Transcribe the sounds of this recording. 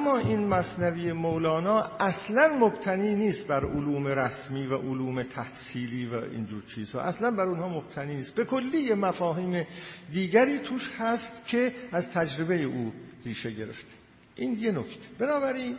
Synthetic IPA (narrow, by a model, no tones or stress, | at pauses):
ʔæmːɒːʔiːnmæsnæviːjemowlɒːnɒːʔæslænmobt̪ʰæniːniːst̪̚bæɾoluːmeɾæsmiːvæʔoluːmet̪ʰæhsiːliːvæ̰ḭːnd͡ʒuːɾt͡ʃʰiːz̥hɒ̰ːʔæslænbæɾunhɒːmob̚t̪ʰæniːniːst̪̚be̞kʰolːiːjemæfɒːɦiːmed̪iːɟæɾiːt̪ʰuːʃhæst̪cʰe̞æzt̪ʰæd͡ʒɾe̞be̞jeʔuːriːʃe̞ɟe̞ɾḛft̪ʰe̥ | ʔiːnje̞nocʰt̪ʰe̥b̥enɒːbæɾiːn